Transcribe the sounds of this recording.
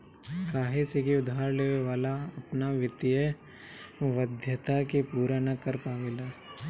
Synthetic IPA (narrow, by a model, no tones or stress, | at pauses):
kaːɦesekiʊd̪ʱaːɾleːʋeʋaːlaɐpnaʋɪt̪ɪjə | ʋəd̪ʱjət̪akepuːɾanɐkəɾpaːmɪlaː